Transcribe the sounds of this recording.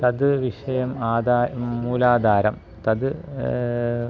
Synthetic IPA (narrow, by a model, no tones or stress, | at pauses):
t̪ɐd̪ɨʋiʂɐjɐmaːd̪aːmuːlaːd̪ʱaːɾɐm | t̪ɐd̪ɨ